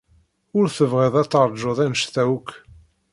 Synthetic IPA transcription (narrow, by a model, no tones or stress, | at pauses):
ʊɾθəvʁeðˤæt͡sːɑɾˤd͡ʒoðˤænʃθæwkː